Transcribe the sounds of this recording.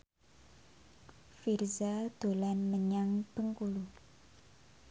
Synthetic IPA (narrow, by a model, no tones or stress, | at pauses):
firzad̪̥olanməɲaŋpəŋkulu